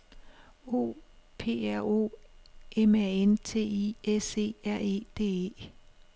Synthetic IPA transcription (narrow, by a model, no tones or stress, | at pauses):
o̝̰ːpʰe̝̰ːæɐ̰o̝̰ːʔemæent͡sʰe̝̰ːiese̝̰ːæɐ̰e̝̰ːd̥e̝̰ːe̝̰ː